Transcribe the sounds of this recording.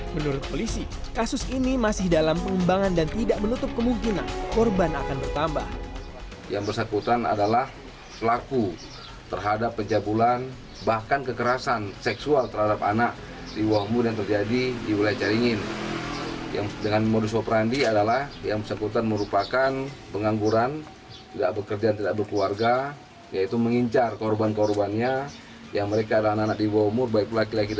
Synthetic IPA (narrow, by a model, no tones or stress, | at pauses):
mənuɾʊt̪̚polisi | kasʊsinimasɪhdalampəŋəmbaŋandant̪idaʔmənut̪ʊp̚kəmuŋkinankɔrbanakanbərt̪amba̰h | jaŋbərsakut̪ana̰dalah | pəlaku | t̪ərɦadapːəɲd͡ʒabulan | bahkankəkəɾasansɛksualt̪ərhadapa̰naʔ | diwaɦumʊrjaŋt̪ərd͡ʒadidiwilajat͡ʃaɾiŋɪn | ja̰ŋdəŋanmodus̬opəɾandiadalahjaŋbəsəkut̪anməɾupakanpəŋaŋɡuɾan | t̪idaʔ̚bəkərd͡ʒant̪idaʔ̚bərkluarɡa | jait̪uməŋiɲt͡ʃarkɔrbankɔrbanɲa | jaŋməɾekaːdalaanaanaʔ̚diwahumʊrbaik̚pəlakilakid